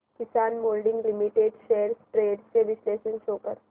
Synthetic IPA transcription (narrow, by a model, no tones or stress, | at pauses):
kɪsaːnmoːlɖɪ̃ŋɡlɪmiʈeːɖʃeːəɾsʈɾeːɖseʋɪsleːʃə̃nʃoːkəɾ